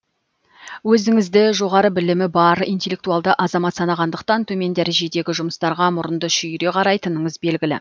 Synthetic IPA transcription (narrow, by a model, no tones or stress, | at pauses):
wɵzɪŋɪzd̪ɪʒo̞ʁɑɾəbɪlɪmɪbɑɾijnt̪ʲe̞lʲːe̞k̚t̪uɑlˠd̪əʔɑzɑmɑt̪sɑnɑʁɑnd̪əq̚t̪ɑnt̪ʰɵme̞nd̪æɾʒe̞d̪e̞ɡʲɪʒʊməst̪ɑɾʁɑmʊɾənd̪əʃʏjɾe̞qʰɑɾɑjt̪ənəɴəzbe̞lɡʲɪlɪ̰